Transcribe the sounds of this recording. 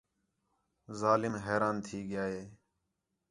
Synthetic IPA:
zaːlɪmɦeːɾaːnt̪ʰiːɡɪjaːɦeː

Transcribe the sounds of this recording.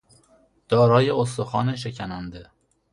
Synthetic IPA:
d̪̥ɒːɾɒːjeos̬t̪oxɒːneʃ̬ecʰænænd̪e

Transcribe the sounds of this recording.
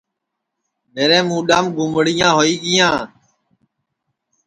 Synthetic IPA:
meːɾẽːmũːɗaːmɡʱʊmɽɪjãːɦoːiːɡɪjãː

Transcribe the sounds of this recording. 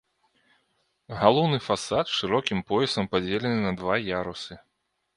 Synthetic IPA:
ɣalˠɔwnɨfasat̪ʂɨɾɔkʲimpɔjɛsɐmpad͡zʲelʲɛnɨnɐd̪vajaɾusɨ

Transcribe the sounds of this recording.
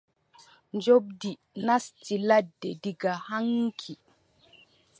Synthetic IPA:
nd͡ʒob̚di | nastiladːɛdiɡahaŋkʰi

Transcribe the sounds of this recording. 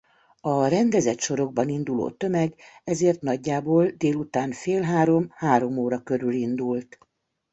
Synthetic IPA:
ɒɾɛnd̪ɛzɛt̪ʃo̞ɾo̞ɡ̚bɒnind̪ulo̰ːt̪ø̞mɛɡɛzeːrt̪nɒɟːaːboːld̪eːlut̪aːnfeːlɦaːɾo̞mhaːɾo̞moːɾɒkø̞ɾylind̪ult̪

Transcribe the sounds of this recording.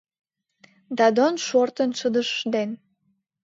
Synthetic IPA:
d̪ɑd̪onʃort̪ə̆nʃəd̪əʃʃd̪en

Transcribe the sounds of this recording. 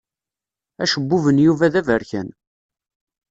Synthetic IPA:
æʃəbːʊvənjuvæðævəɾçæn

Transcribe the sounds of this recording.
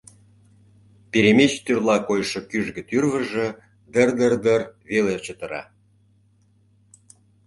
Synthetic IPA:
peɾemet͡ɕt̪yrlɑkojʃɤ̆kyʒɡə̆t̪yrvə̆ʒə̆ | d̪ərd̪ərd̪ərβelet͡ɕə̆t̪ə̆ɾɑ̰

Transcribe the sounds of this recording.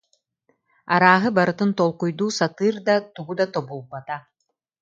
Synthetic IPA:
aɾaːɦɯbaɾɯt̪ɯnt̪ɔlˠqujd̪uːsat̪ɯːɾd̪at̪uɡud̪at̪ɔbulˠbat̪a

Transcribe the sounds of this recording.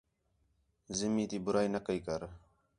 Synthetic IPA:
zɪmiːt̪iːbʊɾaːinəkəiːkəɾ

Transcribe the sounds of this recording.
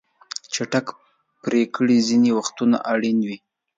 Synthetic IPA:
t͡ʃaʈak | pɾekɽizinewaxt̪una̰ʔaɽinwi

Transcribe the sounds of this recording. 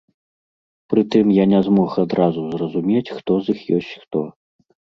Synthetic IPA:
pɾɨt̪ɨmjanʲɛzmɔxad̪ɾʔazuzrɐzumʲet͡sʲxt̪ɔzixjɔsʲt͡sʲxt̪ɔ

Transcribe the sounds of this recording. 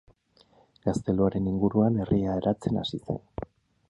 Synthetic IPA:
ɡ̥ast̪e̞loaɾe̞niŋɡuɾuane̞rʔiae̞ɾat͡se̞na̰sise̞̰n

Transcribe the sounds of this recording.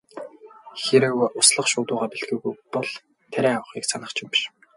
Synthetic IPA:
xeɾɘ̆wʊsɮə̆χʃʊːt̪ʊːʁaːpiɮɡuːɣujpɔɮ | t̪ʰæɾʲæːawə̆χiːksanə̆χt͡ɕʰɪmpi̥ʃ

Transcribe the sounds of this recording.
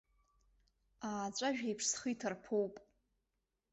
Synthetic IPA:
aːt͡ɕʷʼaʒᶣejpʰʂsχitʰarpʰowpʼ

